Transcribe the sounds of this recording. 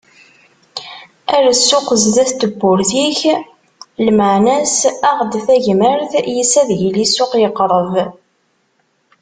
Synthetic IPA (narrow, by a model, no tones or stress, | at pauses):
æɾsːʊqəzðæθt̪əbːʊɾθiç | lməʕnæsæʁd̪θæʝməɾθjəsæðʝəlisːʊqjəqːɾˤəv